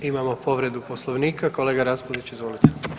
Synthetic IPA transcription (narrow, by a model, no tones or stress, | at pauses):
imamopo̞ʋɾe̞d̪uposlˠoʋniːkako̞leːɡaɾaspoliit͡ʃizʋolit̪u̥